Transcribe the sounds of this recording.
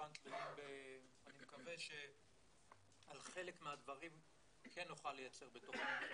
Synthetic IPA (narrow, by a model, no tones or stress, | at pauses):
antlujimbe | animekaveʃe̞ | alχe̞le̞kmead̪vaʁim | kʰenːoχalːe̞jat͡se̞ʁbe̞t̪o̞χ